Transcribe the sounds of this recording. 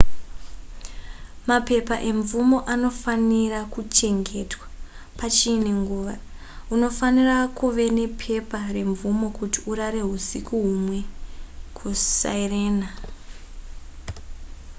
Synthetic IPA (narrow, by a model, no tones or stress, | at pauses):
mape̞paʔe̞ɱvumo̞ʔano̞fanirakut͡ʃe̞ŋɡe̞twḁ | pat͡ʃiːneŋɡuːʋa | uno̞fanirakuʋe̞ne̞pʰe̞pare̞ɱvumo̞kutiʔuraɾe̞ɦusikuɦumwe̞kʰusa̰ire̞ːna